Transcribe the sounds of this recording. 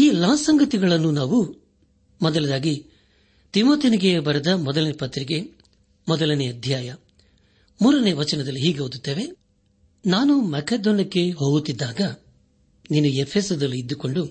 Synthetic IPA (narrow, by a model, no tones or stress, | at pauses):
iːlaːsɐŋɡɐt̪iɡɐɭɐnːunaːʋu | mɔd̪ɐlɐd̪aːɡi | t̪imoːt̪iniɡe̞bɐɾɐd̪ɐmɔd̪ɐlɐnepɐt̪ːɾiɡe̞ | mɔd̪ɐlɐneɐd̪ʱjaːjɐ | muːɾɐneʋɐt͡ʃɐnɐd̪ɐlːiɦiːɡeɦoːd̪ut̪ːe̞ːʋe̞ | naːnumɐkeːd̪ɔːnɐkːe̞ɦo̞ːɡut̪ːid̪ːaːɡɐ | niːnuepʰeːsɐd̪ɐlːiːd̪ːuko̞ɳɖu